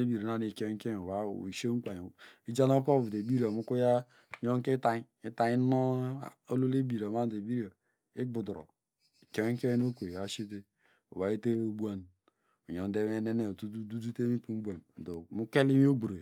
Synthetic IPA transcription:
e˦bi˨ɾa˨na˦ni˨ke˦ŋ˦ke˦˨o˨ba˨˦˨i˨ʃe˦k͡pa˨i˦d͡ʒa˦na˦po˦˨vu˨e˨bi˦ɾi˦˨a˨mu˦ku˦ja˦˨ | jo˦ŋ˦ke˦ta˦i˦ta˦i˦no˦˨ | o˦lo˦le˦bi˨ɾa˨ma˦n˨de˨bi˦ɾo˨ | i˦ɡ͡bu˨dɾo̰˨ | i˨ke˦ŋ˦ke˦n˦o˦kʷe˨a˨ʃi˦t̬e˦ | o̰˨ba˨˦e˦te˦bʷa˦n | u˨jo˨n˦de˦me˦ne˦ne˨tu˦du˦du˦du˦te˦mi˦pu˨m̩˦bʷa˨n˨do˨mu˦ke˦li˦mi˦o˦ɡ͡bu˨ɾe˨

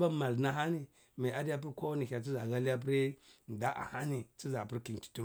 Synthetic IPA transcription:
ba˦ma˨lna˦ɦa˦ni˦ | ma˨a˦da˦p̬i˦ɾkʷo˦wa˦ni˨çʲa˨t͡si˦za˨ɡa˦lja˦p̬u˦ɾi˦n˨da˦ʔa̰˨ha˦ni˨t͡si˦za˨pu˦ɾki˨n˨ki̥˨tu˦ɾ

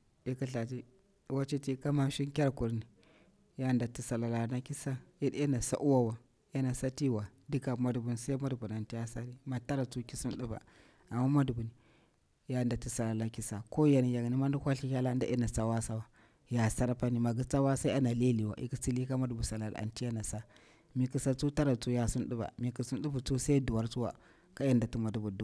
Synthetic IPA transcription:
i˦ka˦ɬa˨t̬i˦˨ | wa˦t͡ʃe˦ti˦ka˦ma˦ʃi˦ŋkʲa˦ɾku˨ɾni˨ | ja˦˨da˨ti˨sa˨la˨la˨na˦ki˦sa˦ji˦de˦na˨sa̰˦ʔu˦wa˦wa˨ | ja˦na˨sa˦ti˦wa˨di˦ka˨ma˨dbu˨n˨sa˦i˦ma˦dbu˨na˨nti˦ja˦sa˦ɾi˦ma˨ta˦ɾa˨t͡su˦ki˦su˦n˦ɗu˦ba̰˨ | a˨mːa˦ma˦du˨bu˨ni˨ | ja˨nda˨ti˨sa˨la˨la˦ki˦sa˨ko˦ja˨ni˨ja˨ɡni˦ma˦ndu˦kʷa˦ɬi˦kʲa˦la˦n˦da˦ʔi˦na˨sa˦wa˦sa˦wa˨ | ja˨sa˦ɾpa˦ni˨ma˨ɡu˦t͡sa˦wa˦sa˦a˦na˨le˦li˨wa̰˨ʔḭ˦ki˦t͡si˦li˦ka˦ma˦du˨bu˨sa˨la˨la̰˨nti˦ja˦na˨sa˦ | mi˨ki˨sa˦˨t͡su˦ta˦ɾa˨t͡su˦ja˨su˦nɗu˦ba̰˨mi˨ki˨su˦n˦ɗu˦bu˨t͡su˦sa˦i˦du˨wa˦ɾt͡su˦wa̰˨ | ka˦ja˦nda˨tu˦ma˨du˦bu˨du˨˦

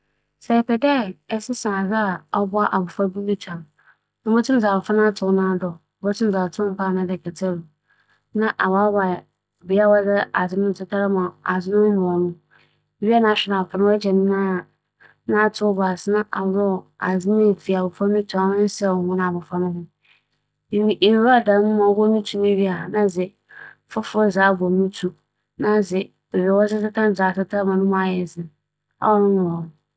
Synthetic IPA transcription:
sɛ˨pɛ˨dɛ˦˨ɛ˦sɪ˦sã˨za˦˨ɔ˦bʊ˦a˦ʔa˨bʊ˨fa˦bu˦mi˦tʰã˨m | nʊ̃˦mo˦tʰũ˦n˦d͡za˨bʊ˨fa˦nã˦tʰʊ˨˦nã˦dɔ˨˦mo˦tʰũ˦n˦d͡za˨tʰʊ̃˦pʰa˦˨nã˦dɛ˨kʰɛ˨tʰɛ˦˨ɾu˨ | nã˦ʔa˨wa˦ba˨ | bi˨˦a˦wa˦zɛ˦a˨zɪ˦nʊ̃˦n̩˨sʊ˦tʰa˦ɾa˦mã˨a˨zɪ˦nʊ̃˦mʊ̃˨ɔ˨nʊ̃˦˨˦ | bi˦a˦nã˨˦ɕᶣɪ˦na˨fʰa˨nʊ̃˦ɛ˦d͡ʑɛ˨nɪ̃˦nã˦˨ | nã˦˨tʰo˦ɔ˦ba˨snã˦ʔa̰˨wɾɔ˦˨a˨zɪ˦n˦e˨fi˨a˨bʊ˨fã˦ĩ˦tʰu˨˦a˨wʊ̃˦sɛ˦˨ɔ˨nʊ̃˦n˨a˨bʊ˨fa˦nʊ̃˦nʊ̃˦˨˦ | ʔe˨ɾɔ˦˨dã˨˦nʊ̃˦mã˨˦bɔ˦nĩ˦tʰu˦nĩ˦ɥi˦a˨nã˦zɪ˨ | fʊ˦fʊ˦ɔ˦za˨˦bɔ˨mĩ˦tʰu˦ | nã˦zɪ˨ | e˨ɥɛ˨wɔ˦zɪ˦tɪ˦tʰã˦˨zaː˨tɪ˦tʰa˦mã˨nʊ̃˦m̃˨˦a˨jɛ˨zɪ˨ | a̰˦wɔ˦nʊ̃˦nʊ̃˨wɔ˨nʊ̃˨

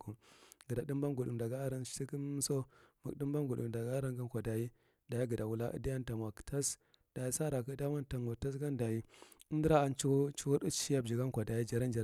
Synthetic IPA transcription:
ku˨mɡə˨da˨di˦mba˦nɡu˨ɗṵ˨m˨da˨ɡa˦a˦ɾa˦n˦i˦ki˦so˦mu˨kdi˦mba˦nɡu˨dṵ˨da˨ɡa˦a˦ɾa˦ŋɡa˦nkʷa˨da˨ji˦ | da˨ji˦ɡə˨da˨wu˦la˦ʔə̰˦da˦ja˦n˦ta˨nwa˨ktʰa˦s | d̥a˨ji˦sa˦ɾa˨kə˦da˦wa˦nta˨nwa˨ta˦s̬ɡa˦nda˨ji˦u˦m˦di˦ɾa˦a˨nt͡ʃu˦t͡ʃu˦wu˦ɾə˦i˦ja˦b̚d͡ʒi˨ɡa˦nkʷa˨da˨ji˦d͡ʒa˨ɾa˦nd͡ʒa˨ɾ

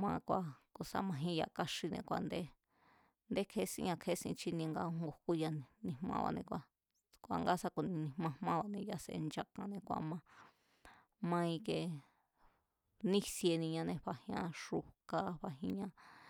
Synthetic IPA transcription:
mã˧kʷa˧ko˧sa̰˧mã˧ɦĩ˦˧ja˧˨ka˦ʂi˧nḛ̃˧kʷa˧nd̪e˦ | nd̪e˦kʰe˦sḭ̃˧ɲã˧kʰe˦sḭ̃˧t͡ʃi˦nĩ˧ŋɡa˧˦ŋŋɡo˨ku˦ja˧˨nĩ˧˨mã̰˧βa̰˧nẽ˧kʷa˧ | kʷa˧ŋɡa˦sa˧ku˧nĩ˧nĩ˧mã˧mmã˦˧βa˧nẽ˧ja˧sḛ˧nd͡ʒa˧kã˧nẽ˧kʷa̰˧mã˧ | mã˧ĩ˧ke˧ | nĩ˦sje˧nĩ˧ɲã˧nẽ˧ɸa˧hĩ˧ã˧ʂu˧ka˧˦βa˧ɦĩ˧ɲã˦

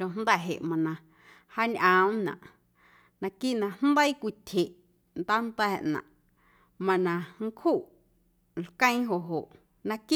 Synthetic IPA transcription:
õ˧nd̪ɛ˦˨ɦḛ˨ʔmã˨nã˨ | ha˦ɲʔã˨˦mnã̰˨ʔ | nã˧ki˦ʔnã˧n̥n˦d̪ə˦i˦kʷi˧˨t̪ʲʰe˨ʔ | nd̪a˦nd̪ɛː˦˨ʔnã̰˨ʔ | mã˧nã˧ŋ̩˦kʰhuː˦˨ʔ | lkə̃˦j̃ɦo˨ʔɦo˨ʔ | nã˧ki˦

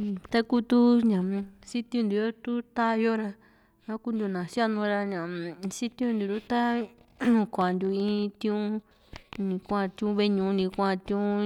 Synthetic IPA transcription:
t̪a˦ku˦t̪u˦ɲã˨si˦t̪ĩ˦˧ũ˧nd̪u˨jo˦t̪u˦t̪a˦jo˦ɾa˧ | ã˦ku˦nd̪u˧˨nã˨sa˦˧nũ˧ɾa˧ɲã˨si˦t̪ũ˧nd̪u˨ɾu˦t̪ã˦˧˨ | kʷa˨nd̪u˧ĩ˦t̪ĩ˦ũ˧˦ | nĩ˧kʷã˦˧˨t̪ĩ˧ũ˦˧βe˧ɲũ˧nĩ˧kʷã˦˧˨t̪ĩ˦ũ˧

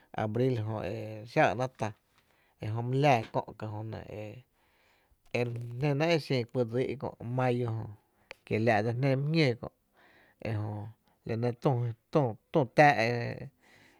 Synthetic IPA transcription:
a̰˨bɾi˦lɦõ˧e˨ʃa˦˨nã˦t̪a˧ | e˧ɦõ˧mũ˦laː˧˨kõ̰˧ʔka˧ɦõ˧nã̰˨e˧ | e˧nẽ˧nã˦e˦sĩː˧˨ki˧˨d͡zi˦ʔkõ̰˧˨ʔmã˦jo˧ɦõ˧ | ke˨lja˧ʔd͡za˧nẽ˧m̃˦hɲʲjẽ˦˨kõ̰˧˨ʔ | e˧ɦõ˧ | la˨nẽ˧t̪ũ˧t̪ũ˧˨t̪ũ˦˧˨t̪aː˦ʔe˧

